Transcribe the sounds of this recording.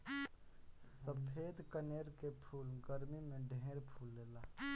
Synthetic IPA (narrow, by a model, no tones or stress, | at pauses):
səpʰeːd̪kəneːɾkepʰuːlɡəɾmimẽɖʱẽːɾpʰuːlːeːlaː